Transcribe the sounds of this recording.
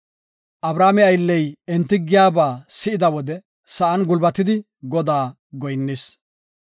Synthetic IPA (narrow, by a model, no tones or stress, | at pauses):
ʔɐbɾaːmɛɐjlːɛjɛnt̪ːɪɡɪjaːbaːsɪʔɪd̪ɐwɔd̪ɛ | sɐʔɐnɡʊlbɐt̪ːɪd̪ɪ | ɡɔd̪aː | ɡɔjnːɪs